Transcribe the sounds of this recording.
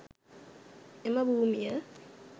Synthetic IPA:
ɛmaɓumija

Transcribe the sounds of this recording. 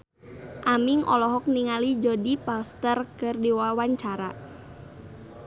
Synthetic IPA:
ʔamiŋʔɔ̰lɔɦɔk̚niŋalid͡ʒɔdipast̪ərkɨrdiwawaɲt͡ʃaɾa

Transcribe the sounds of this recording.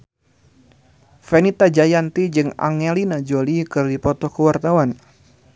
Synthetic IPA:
fenit̪ad͡ʒajant̪id͡ʒɨŋa̰ŋɛlinad͡ʒolikɨrdipɔt̪ɔkəwart̪awan

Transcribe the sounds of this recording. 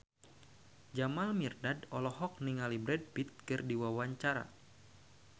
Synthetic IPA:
d͡ʒamalmirdadɔlɔɦɔk̚niŋalibɾɛd̚pit̪̚kɨrdiwawaɲt͡ʃaɾa̰

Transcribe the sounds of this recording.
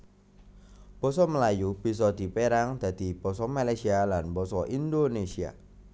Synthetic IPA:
b̥ɔ̤sɔməlajub̥i̤s̬ɔd̪̥i̤peɾaŋd̪̥a̤d̪̥i̤b̥ɔ̤sɔmalajsialanbɔsɔʔind̪onesia̰

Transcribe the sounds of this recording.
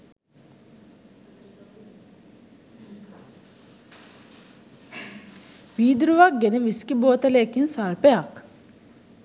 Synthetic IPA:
ʋiːd̪ɾuʋak̚ɡeneʋiskiboːt̪ɐleːkinsaɭpeak

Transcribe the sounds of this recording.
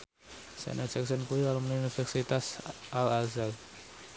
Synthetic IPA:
sɛ̰nasɛksənkuilalumniunifɛrsit̪asʔalazal

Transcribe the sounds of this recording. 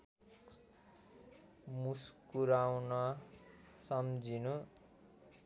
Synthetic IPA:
muskuɾawnʌ | sʌmd͡zinu

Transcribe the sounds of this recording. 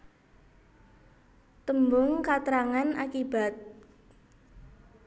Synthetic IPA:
t̪əmbʊŋkat̪əɾaŋanakiba̤t̪̚

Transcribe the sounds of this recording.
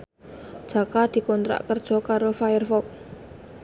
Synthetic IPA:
d̥ʒ̥a̤kad̪̥i̤kɔnt̪ɾa̰ʔkərd̥ʒ̥ɔ̤kaɾofajərfɔk̚

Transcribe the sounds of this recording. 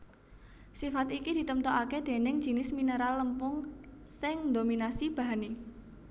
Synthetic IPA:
sifat̪ikid̪̥i̤t̪əmt̪oʔaked̪̥e̤nɪŋ̥ʒ̥i̤nɪsminəɾalːəmpʊŋsɪŋd̪ominasib̥a̤ɦane

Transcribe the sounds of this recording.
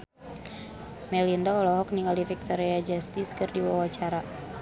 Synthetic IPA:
mɛlindaɔlɔɦɔk̚niŋalifik̚t̪ɔɾiad͡ʒast̪iskɨrdiwawat͡ʃaɾa

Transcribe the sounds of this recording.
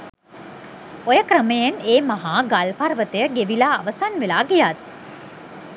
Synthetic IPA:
ojəkɾəməjeneːmaɦaːɡalparʋət̪əjəɡeʋilaːʋəsanʋelaːɡijat̪̚

